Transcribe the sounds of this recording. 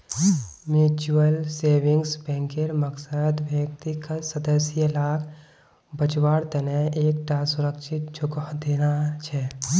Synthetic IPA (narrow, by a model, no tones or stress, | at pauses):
muːt͡ʃuəlseːʋɪŋɡsbɛ̃ŋkeɾməksəd̪bək̚t̪ikasəd̪əsjəlaːɡ | bət͡ʃwaːɽt̪ɐneeːk̚ʈʰasʊɾəkʃʰɪt̪̚t͡ʃʰʊkd̪eːnat͡ʃʰɛ